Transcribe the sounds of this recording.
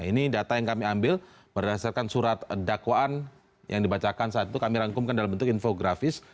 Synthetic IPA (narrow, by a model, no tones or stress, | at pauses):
inidat̪ajaŋkamiambɪl | b̥ərdasarkansuɾat̪̚dakwaan | jʔaŋdibat͡ʃakansaat̪̚it̪ukamiɾaŋkʊmkandalambənt̪ʊkinfoɡɾafɪs